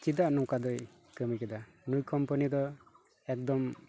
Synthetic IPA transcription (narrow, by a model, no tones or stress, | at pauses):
t͡ʃid̪anɔŋkad̪ɔj | kɯmikɛd̪a | nujkɔmpɔnid̪ɔ | ɛk̚d̪ɔm